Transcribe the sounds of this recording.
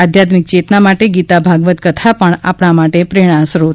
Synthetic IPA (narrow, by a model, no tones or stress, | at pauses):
ad̪ʱjat̪mik̚t͡ʃet̪namaʈeɡit̪abʱaɡʋət̪kət̪ʰapəɳa̰pɽ̃amaʈepɾeɽ̃asɾot̪